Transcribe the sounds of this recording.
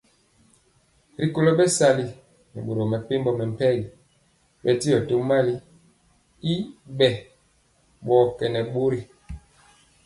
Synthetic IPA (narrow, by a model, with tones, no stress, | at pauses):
ɾi˨ko˦˨lo˦bɛ˦sa˦˨li˦ | nɛ̰˨ɓo˨ɾo˨mɛ˨pe˦mbɔ˦mɛ˨m̩˨pɛ˦li˨ | ɓɛ˦ti˦ɔ˨to˦ma˦li˦ | i˦bɛ˨ | ɓɔ˨kɛ˨nɛ˨ɓo˦ɾi˨